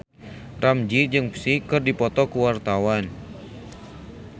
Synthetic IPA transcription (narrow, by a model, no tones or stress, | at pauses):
ramd͡ʒid͡ʒɨŋpsikɨrdipɔt̪ɔkuwart̪awan